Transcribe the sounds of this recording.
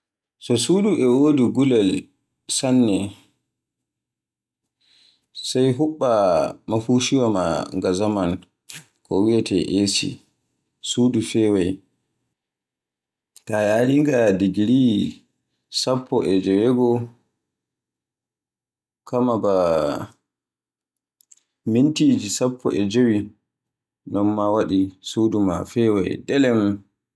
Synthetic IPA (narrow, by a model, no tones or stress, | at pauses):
sɔsuduʔɛwodiɡulɛl | sanːɛ | sajɦuɓːamafuʃiwama̰ŋɡazaman | kɔwiatɛʔesḭ | suːdufɛwaj | tajaɾiŋɡadiɡiɾi | sapʰːɔʔɛd͡ʒɛwɛɡɔ | kamaba | mintiːd͡ʒisapːɔ̰ʔɛd͡ʒewi | nɔnmawaɗisuːduma̰fɛwa̰jdɛlɛm